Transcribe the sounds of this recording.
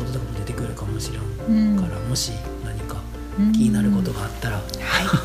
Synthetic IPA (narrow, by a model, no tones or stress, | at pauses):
ot̪ookamod̪e̞t̪e̞kɯ̟ɾɯ̟kamo̞ɕiɾan | kaɾamo̞ɕi | naɲ̟ika | kʲiɲinaɾɯ̟ko̞t̪o̞ɡaːt̪ːaɾa